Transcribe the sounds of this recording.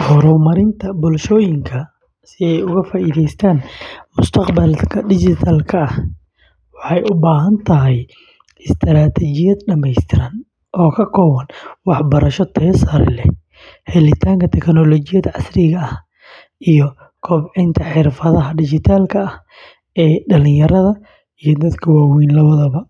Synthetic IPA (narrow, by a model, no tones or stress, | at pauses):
hɔɾɔmɐɾɪnt̪ʰɐbʊlʃɔːjɪŋkʰɐ | sɪɛjʊɣɐfaːʔiːðɛjst̪ʰaːnmʊst̪ʰɑqbɐlkʰɐɖɪt͡ʃɪt̪ʰalkʰɐɐh | wɑħɑjʊbaːɦɐnt̪ʰɐɦɛj | ɪst̪ʰɾaːt̪ʰɛt͡ʃɪjɐd̪ɖɐmɛjst̪ʰɪɾɐn | ʔɔːkʰɐkʰɔːwɐnwɑħbɐɾɐʃɔt̪ʰɛːsaɾɪ̰lɛ̰ | hɛlɪt̪ʰaːŋkʰɐt̪ʰɛknɔlɔt͡ʃɪjɐd̪ʕɑ̰srɪɣɐɐh | ʔijɔ | kʰɔːbʕɪnt̪ʰɐħɪrfɐðɐɦɐɖɪt͡ʃɪt̪ʰaːlkʰɐɐh | ɛːɖɐlɪ̃jɐɾɐðɐ | ijɞd̪ɐd̪kʰɐwaːwɛjnlɐwɐðɐβɐ